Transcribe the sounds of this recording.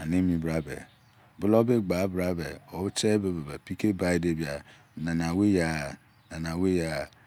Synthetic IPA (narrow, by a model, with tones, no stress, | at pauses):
a˨ne˦mi˨bɾa˦bḛ˨ | bʊ˦lo˦be˦ɡ͡ba˨˦bɾa˦bḛ˨o˨bt͡ʃe˦be˨be˨be˨pi˦ke˦ba˦i˦de˦bi˨a˨ | na˨na˨we˦ja˦˨ | na˨na˨we˦ja˨